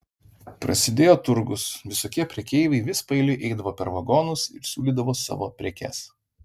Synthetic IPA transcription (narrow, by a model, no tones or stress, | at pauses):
pɾɐ̰sʲɪd̪ʲeːjoːt̪ʊɾɡʊsʋʲɪsoːkʲiɛpʲɾʲɛkʲɛɪʋʲɐɪʋʲɪspɐɪlʲɪʔɛɪd̪ɐʋoːpʲɛɾʋɐɡoːnʊsɪ̰ɾsʲuːlʲiːd̪ɐʋoːsɑ̰ːʋo̰ːpʲɾʲɛkʲɛ̰s